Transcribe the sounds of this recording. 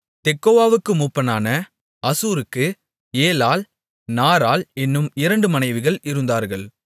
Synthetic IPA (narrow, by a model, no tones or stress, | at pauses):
t̪ɛkːoːʋaːʋɯkːɯmuːpːɐnaːnɐ | ɐsuːɾɯkːɯ | eːlaːl | naːɾaːlɛnːɯmɪɾɐɳɖɯmɐnɐɪʋɯɣɐɭɪɾɯnd̪aːɾɣɐɭ